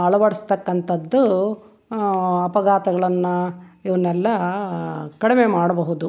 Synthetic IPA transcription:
ɐɭɐʋɐɽɐst̪ɐkːɐnt̪ɐd̪ːu | ɐpɐɡaːt̪ɐɡɐɭɐnːuiʋɐnːɛlːɐ | kɐɽimemaːɽɐbɐɦud̪u

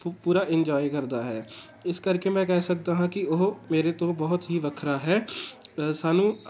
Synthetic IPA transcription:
puːɾaːʔɪnd͡ʒaːikəɾd̪aːɦɛː | ɪskəɾkemɛ̃ːkɛːsək̚d̪aːɦãːkɪoɦmeːɾet̪õːbɔːʊt̪ɦiːʋəkʰɾaːɦɛː | saːnũː

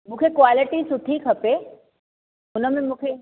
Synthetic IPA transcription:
mũːkʰekʋaːlɪʈisʊʈʰikʰɐpe | ʊnəmẽmũːkʰe

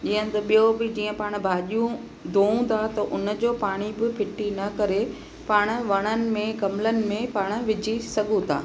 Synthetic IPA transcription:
d͡ʑiːə̃nɪ̆t̪ɐɓijobɪd͡ʑiːə̃paːɽ̃ʊ̆bʱaːʄijũ | d̪ʱoːũt̪ʰat̪ɐʔʊnə̆d͡ʑoːpaːɽ̃ibɪpʰɪʈinɐkɐɾe | paːɽ̃ʊ̆ʋɐɽ̃ənɪ̆mẽkɐmlənɪ̆mẽpaːɽ̃ʊ̆ʋɪd͡ʑʱisɐɠũt̪ʰa̰ː

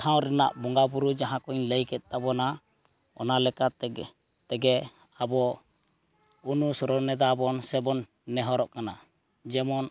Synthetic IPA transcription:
ʈʰaw̃ɾɛnaʔbɔŋɡabuɾud͡ʒaɦãkɔɲləjkɛt̪̚ˀt̪abɔna | ɔ̰nalɛka | t̪ɛɡɛ | abɔ | unusɾɔnɛd̪abɔnsɛbɔnː | ɛɦɔɾɔʔkana | d͡ʒɛmɔn

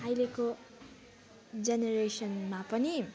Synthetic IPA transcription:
ɦajleko | d͡zeneɾesʌnmapʌni

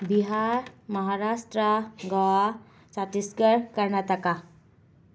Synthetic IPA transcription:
biɦaɾməɦaɾaʂʈɾəɡaʋa | sat̪iskəɾkəɾɳat̪aka

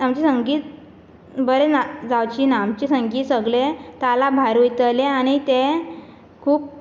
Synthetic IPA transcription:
amt͡ɕesəŋɡiːt̪̚ | bəɾenad͡zawt͡ɕiːnaːmt͡ɕesəŋɡiːt̪səɡɭet̪alabʱaɾʋujt̪əleaɽ̃it̪e | kʰuːp̚

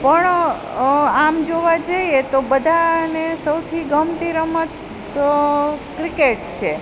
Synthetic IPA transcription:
pəɳ | amd͡ʒoʋad͡ʒəiet̪obəd̪ʱanesəwt̪ʰiɡəmt̪iɾəmət̪ | kɾikeʈ̚t͡ʃʰe

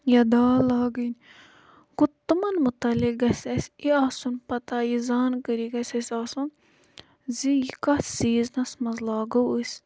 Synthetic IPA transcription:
jɐd̪aːlaːɡənʲ | ɡut̪ːɨmɐnmut̪ɐlikɡɐsʲɐsʲiaːsunpɐt̪ajizaːnkəɾiɡɐsʲɐsʲaːsun | zijikɐsiːznɐsmɐzlaːɡɐwəsʲ

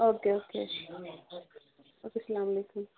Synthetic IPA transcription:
okeokʰḛ | okesɐlamɐlekun

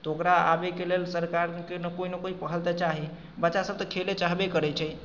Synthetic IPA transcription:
t̪okɾaa̰bekelelsəɾkaɾkenəkoinəkoipəɦəlt̪at͡ʃaɦi | bətːʃasəb̚t̪əkʰelet͡ʃaɦbekəɾɛt͡ʃʰɛj

